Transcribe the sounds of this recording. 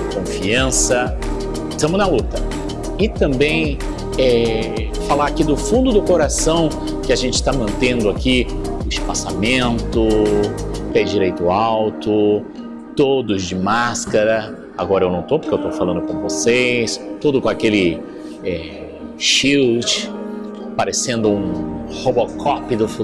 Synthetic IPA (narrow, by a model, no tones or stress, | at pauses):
kõfiɐ̃sɐ | st̪ɐ̃mʊznɐlut̪ɐ | ɪt̪ɐ̃mbẽj̃ | ɛ | falaɾakid̪ʊfũnd̪ʊd̪ʊkoɾasɐ̃w̃ | kɪaʒẽnt͡ʃɪst̪amɐ̃nt̪ẽnd̪ʊakiest͡ʃɪ̥pasamẽnt̪ʊ | pɛd͡ʒd͡ʒiɾejt̪ʊawt̪ʊ | t̪od̪ʊzd͡ʒɪmaskɐɾɐ | aɡɔɾɐewnɐ̃w̃t̪owpoɾkewt̪owfalɐ̃d̪ʊkõvosejst̪od̪ʊkõakelɪ | ɛ | ʃiwt͡ʃ | paɾesẽnd̪ʊũhobokʰɔpid̪ʊf